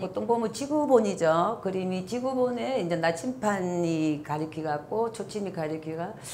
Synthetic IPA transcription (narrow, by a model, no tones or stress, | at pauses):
ʌt͈ʌnɡomɯnt͡ɕiɡuboɲid͡ʑokɯɾimit͡ɕiɡuboneind͡ʑenat͡ɕʰimpʰaɲikaɾɯkʰiɡak͈ot͡ɕʰot͡ɕʰimikaɾjɯkʰiɡa